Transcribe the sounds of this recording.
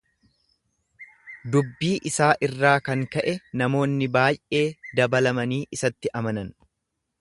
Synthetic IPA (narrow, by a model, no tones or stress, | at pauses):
d̪ʊbːiːʔɪsaːʔɪrːaːkɐŋkɐʔɛnɐmo̞ːnːɪbaːjʔe̞ːd̪ɐbɐlɐmɐniːʔɪsɐt̪ːɪʔɐmɐnɐn